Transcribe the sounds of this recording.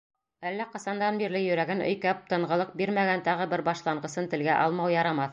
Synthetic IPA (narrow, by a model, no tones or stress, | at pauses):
ælːæqɤ̆sɑnd̪ɑnbiɾlɘjɵ̆ɾæɡɘnɵ̰̆jkæp̚t̪ɤ̆ɴʁɤ̆lˠɤq̚biɾmæɡænt̪ɑʁɤbɘɾbɑʃlˠɑɴʁɤ̆sɤnt̪ɘ̆lɡæʔɑlˠmɑwjɑɾɑmɑθ